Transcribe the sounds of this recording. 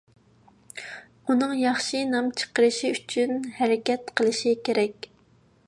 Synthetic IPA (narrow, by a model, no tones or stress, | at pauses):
unɨŋjɑχʃɨnɑmt͡ʃʰə̥qəɾɨʃiyt͡ʃʰynhɛɾɪkʲɛt̪qʰəlˠɨʃikʲʰeɾɛkʲ